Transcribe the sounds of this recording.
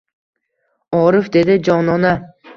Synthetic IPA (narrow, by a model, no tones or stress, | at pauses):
ɒɾɪfd̪e̞d̪ɪd͡ʒɒnɒna